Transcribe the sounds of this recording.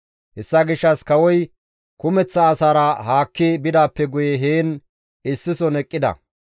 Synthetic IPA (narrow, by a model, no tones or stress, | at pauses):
hɛsːɐɡɪʃːɐskɐwɔj | kʊmɛt͡sːɐːsaːɾɐɦaːkːɪbɪd̪aːpːɛɡʊjɛɦeːn | ɪsːɪsɔnɛkʼːɪd̪ɐ̰